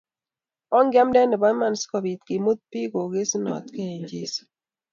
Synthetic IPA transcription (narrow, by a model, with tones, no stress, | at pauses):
ɔ˦ŋɡa˦mdɛ˦nɪ˨bɔ˦ma˦n˨skɔ˨bi˨t̪ki˨mo˦t̪̚pi˦ɡo˨ɡe˦snɔ̰˨t̪ke˦˨ɲd͡ʒi˦s